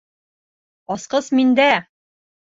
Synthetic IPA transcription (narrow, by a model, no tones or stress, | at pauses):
ɒsqɤsmind̪æ